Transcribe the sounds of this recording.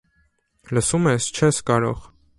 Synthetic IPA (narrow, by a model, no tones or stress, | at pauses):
ləsumɛst͡ʃʰɛskɑɾɔ̰ʁ